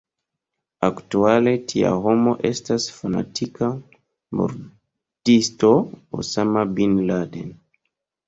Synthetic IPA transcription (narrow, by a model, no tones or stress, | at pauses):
aktualetʰia̰homoʔestasfana̰tʰika | mo̰ɾ | tistoo̰samabinladḛn